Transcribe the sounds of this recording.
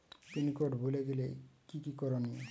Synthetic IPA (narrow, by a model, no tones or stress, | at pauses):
t̪inikoɖbʱuleɡelekikikɔɾoni